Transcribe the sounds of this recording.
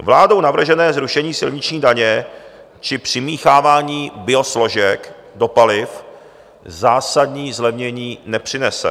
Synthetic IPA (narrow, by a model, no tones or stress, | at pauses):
vlaːdo̞wnavr̩ʒɛnɛːzɾuʃɛɲiːsɪlɲɪt͡ʃɲiːdaɲɛ | t͡ʃɪpr̝̥ɪmiːxaːvaːɲiːbɪo̞slo̞ʒɛk | do̞palɪf | zaːsadɲiːzlɛvɲɛɲiːnɛpr̝̥ɪnɛsɛ̰